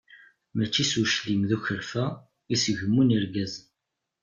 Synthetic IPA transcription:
mæt͡ʃːisuʃlimðuçəɾfæ | isʝəmːuniɾɡæz

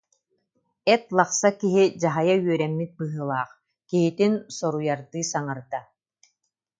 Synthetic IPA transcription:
ɛt̪lˠaχsakiɦid͡ʑaɦajayœɾɛmːit̪̚bɯɦɯlˠaːχ | kiɦit̪insɔɾujaɾd̪ɯːsaŋaɾd̪a

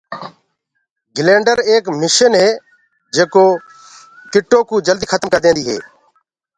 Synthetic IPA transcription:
ɡɪleːɳɖəɾeːkmɪʃənɦeː | d͡ʒeːkoː | kɪʈːõːkuːd͡ʒəld̪iːkʰət̪əmkəɾd̪ẽːnd̪iːɦḛː

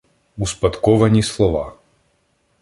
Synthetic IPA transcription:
uspat̪kɔvaɲislˠɔva

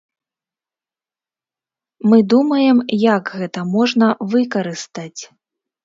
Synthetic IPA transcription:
mɨd̪umɐjɛmjaɡɣɛt̪ɐmɔʐnɐvɨkɐɾɨst̪at͡sʲ

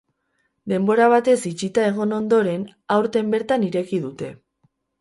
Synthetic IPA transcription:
d̪e̞mbo̞ɾaβ̞at̪e̞sit͡ʃit̪ae̞ɣ̞o̞no̞nd̪o̞ɾe̞n | awɾt̪e̞mbe̞ɾt̪aniɾe̞kiðut̪e̞

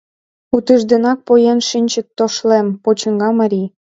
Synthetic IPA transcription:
ut̪əʒd̪ĕnɑk̚pojenʃinʲt͡ɕə̆k̚t̪ːoʃlempot͡ɕə̆ŋɡɑmɑɾʲi

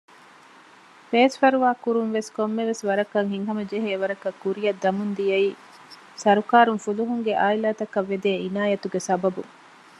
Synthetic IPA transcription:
feːsfɐɾuʋaːkuɾuŋʋeskomːeʋesʋɐɾɐkːɐŋɦiŋɦɐmɐd͡ʒeɦeːʋɐɾɐkːɐkːuɾijɐd̪ːɐmund̪ijɐiː | sɐɾukaːɾuŋfuluɦuŋɡeʔaːilaːt̪ɐkɐʋːed̪eːinaːjɐt̪uɡesɐbɐbu

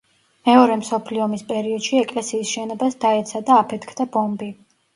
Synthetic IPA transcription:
mɛɔɾɛmsɔpʰliɔmispʼɛɾiɔd̪̥ʃiɛkʼlɛsiːsʃɛnɔbasd̪aɛt̪sʰad̪aːpʰɛt̪ʰkʰd̪abɔmbi

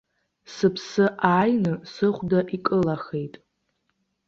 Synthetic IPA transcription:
sɨpʰsɨʔaːjnɨsɨχʷdaʔikʼɨlaχe̞jtʼ

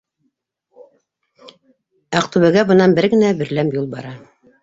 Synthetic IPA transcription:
æqt̪uβæɡæbɤ̆nɑnbɘɾɡɘ̆næbɘ̆ɾlæmjulˠbɑ̰ɾɑ

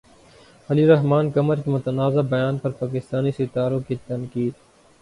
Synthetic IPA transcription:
ɐliɾɐɦmaːnkɐməɾkimʊt̪ənaːzabɐjaːnpɐɾpaːk̬ɪst̪aːnisɪt̪aːɾõːkit̪ɐnkiːd̪

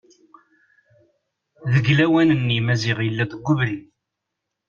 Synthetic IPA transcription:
ðəɡlæwænənːimæzɪʁjəlːæðəɡʷːʊvɾi

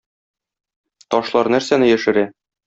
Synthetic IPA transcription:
t̪ɒʃlˠɑɾnæɾsænɘjæʃɘ̆ɾæ

